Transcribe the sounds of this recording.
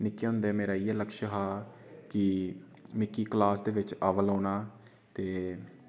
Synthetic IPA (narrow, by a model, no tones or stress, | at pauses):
nɪkːeːʊ̃ːnd̪ɛːmeːɾaːiːɛːləkʃəɦaː | kɪ | mɪkːiːklaːsd̪eːʋɪt͡ʃaːʋəlõːnaː | t̪eː